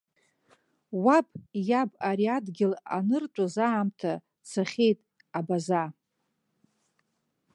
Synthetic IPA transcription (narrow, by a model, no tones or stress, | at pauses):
wapʰʼjabʼaɾiadɡʲɪla̰nɨrt͡ʃʷʼazaːmtʰa | t͡sʰaχʲe̞jtʼ | abaza